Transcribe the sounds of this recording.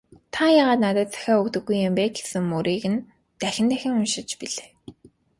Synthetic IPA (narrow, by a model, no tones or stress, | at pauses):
t̪ʰajaːʁaːt̪nat̪ə̆t̪̚t͡sʰæ̥xʲaːɵkt̪ɵ̆ɡːujːɪmpeːke̥sɘ̆ŋmuɾiːɣɘ̆n | t̪æxʲɪ̆nt̪æxʲɪ̆ŋʊnʃɪ̆t͡ɕpiɮeː